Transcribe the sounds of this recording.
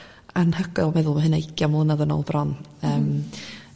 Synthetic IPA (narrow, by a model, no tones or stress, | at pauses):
anhəɡɔlˠmɛðʊlˠmaɦənaɪɡʰjamuːnaðənɔ̰lˠbrɔn | əːm